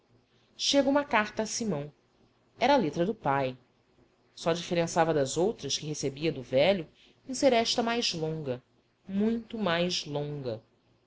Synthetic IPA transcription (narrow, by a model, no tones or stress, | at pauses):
ʃeɡũmɐkaɾt̪ɐːsimɐ̃w̃ | ɛɾɐːlet̪ɾɐd̪ʊpaj | sɔd͡ʒifeɾẽsavɐd̪ɐzowt̪ɾɐʃkɪɦesebiɐd̪ʊvɛʎʊ | ẽseɾɛʃt̪ɐmajzlõŋɡɐ | mũj̃t̪ʊmajzlõŋɡɐ